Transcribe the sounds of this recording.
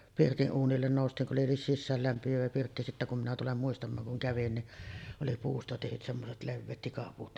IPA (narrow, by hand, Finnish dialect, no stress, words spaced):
pirtiʔ ʔuːnilːen noˑustiːŋ kuʔ ʔoli sisːæːlːæmpiæʋæ pirtːi sitːæ kum minæ tulem muistɑmˑɑːŋ kuŋ kæʋin ni oli puːstɑ tehyt semːoset leʋːeːt tikɑpuːt